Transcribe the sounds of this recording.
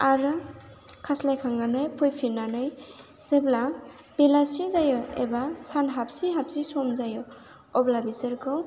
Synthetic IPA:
aɾɯ | kʰaslajkʰaŋɡanɯjpʰujpʰinanɯjsebla | b̥elasizajɔḛbasanɦap̚siɦap̚sisɔmzajɔ | ɔblabisɯɾkʰɯw

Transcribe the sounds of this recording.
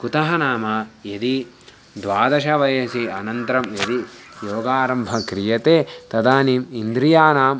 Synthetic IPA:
kut̪ɐɦɐnaːmɐjed̪i | d̪ʋaːd̪ɐʃɐʋɐjɐsiɐnɐnt̪ɐɾɐmjed̪i | joːɡaːɾɐmbʱɐkɾijɐt̪eːt̪ɐd̪aːniːmind̪ɾijaːnaːm

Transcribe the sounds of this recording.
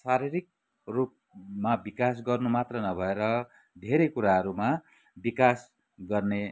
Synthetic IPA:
saɾiɾik̚ | rup̚ | mabikas̬ɡʌrnumat̪rʌnʌbʱʌeɾʌ | d̪ʱeɾekuɾaɦʌɾuma | bikas | ɡʌrne

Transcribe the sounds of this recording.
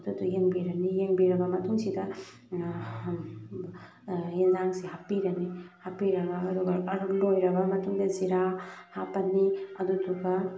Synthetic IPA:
ɐdutujeŋbiɾɐnijeŋbiɾɐɡɐmɐtʰuŋsidɐ | jenzaŋsiɦapiɾɐnihapiɾɐɡɐːduɡɐɐɾulojɾɐbɐmɐtʰuŋdɐziɾahapɐnːiɐdutʰuɡɐ

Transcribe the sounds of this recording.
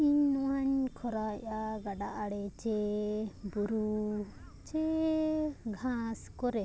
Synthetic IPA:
iɲnɔwaɲkʰɔɾajaɡaɖaʔaɽɛt͡ʃɛ | buɾu | t͡ʃɛ | ɡʱãskɔɾɛ

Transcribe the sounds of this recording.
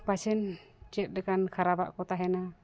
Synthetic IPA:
pasɛnt͡ʃɛt̪̚dɛkankʰaɾaba̰ʔkɔt̪aɦɛna

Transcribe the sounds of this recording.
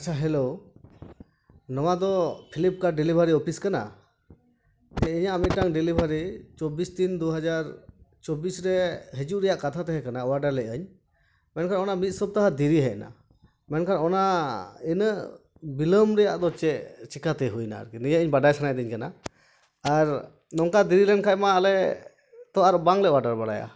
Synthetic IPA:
at͡ʃʰaɦɛlow | nɔw̃ad̪ɔpʰilip̚kaɾɖilibʱaɾiɔpʰiskana̰ | d͡ʒɛiɲaːmit̪̚ʈaŋɖilibʱaɾit͡ʃobist̪ind̪uɦad͡ʒaɾt͡ʃobisɾɛɦɛd͡ʒuʔɾɛjaʔkat̪ʰat̪ɛɦɛkanaɔwaɖaɾlɛʔəɲ | mɛnkʰaɾɔnamit̪̚sɔb̚t̪aɦad̪iɾiɦɛʔna̰ | mɛnkʰaɾɔnainə | biləmɾɛjaʔd̪ɔt͡ʃɛʔt͡ʃikat̪ɛɦujna̰ɾknijaʔɲbaɖajsanajd̪iɲkana̰ | aɾ | nɔŋkad̪iɾilɛnkʰajmaːlɛ | t̪ɔaɾbaŋlɛʔwaɾɖaɾbaɽa̰ja̰

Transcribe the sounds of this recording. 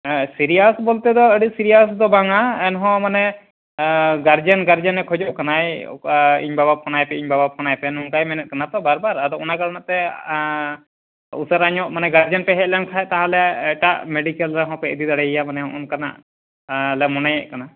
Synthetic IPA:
siɾijasbɔlt̪ɛd̪ɔəɖisiɾijasd̪ɔbaŋaɛnɦɔ̃manɛ | ɡaɾd͡ʒənɡaɾd͡ʒənːɛkʰɔd͡ʒɔʔkanaj | ḭɲbabap̚kɔnajpɛiɲbabap̚kɔnajpɛnuŋkajminɛt̪̚kanat̪ɔbaɾbaɾad̪ɔʔɔnakaɭnaʔt̪ɛ | ṵsəɾaɲɔʔmanɛɡaɾd͡ʒanpɛɦɛc̚lamkʰaɛʔt̪aɦãlɛɛʈaʔmeɖikəlɾɛɦɔ̃pɛid̪id̪aɽɛijamanɛɦɔ̃ʔɔnkana̰ʔ | lɛmɔnajɛʔkana

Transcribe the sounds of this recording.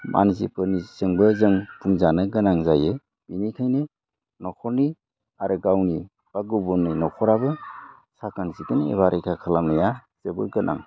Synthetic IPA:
mʔa̰nzipɯnisɯŋbɯzɯŋpʰuŋzanɯɡɯnaŋzajɯ | b̥inikʰajnɯ | nɔkʰɔni | aɾɯɡawni | b̥aɡubɔnːinɔkʰɔɾabɯ | sakanzikɯnḛbaɾʔejkʰakʰalamnɯja | z̥ebɯ̰ɾɡɯnʔa̰ŋ

